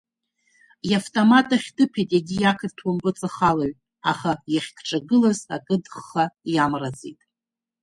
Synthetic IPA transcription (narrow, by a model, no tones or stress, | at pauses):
jaftʼomatʼaχʲdɨpʰejtʼaɡʲijakʰɨrtʰwʊmpʼɨt͡sʼaχalaɥ | aχajaχʲkʰʼʈ͡ʂʼaɡɨlazakʼɨdχːajamrad͡zḛtʼ